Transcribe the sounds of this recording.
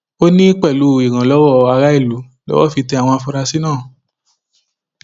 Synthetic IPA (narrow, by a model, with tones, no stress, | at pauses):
o˦nĩ˦k͡pɛ˦˨lu˨˦˨i˨ɾ̃ã˨lɔ˨˦wɔ˦˧a˧ɾa˦i˦˨lu˨˦ | lɔ̰˦wɔ˦˨fi˧tɛ˧a˨w̃ɔ̃˧a˧fu˧ɾa˧si˦nãː˦˨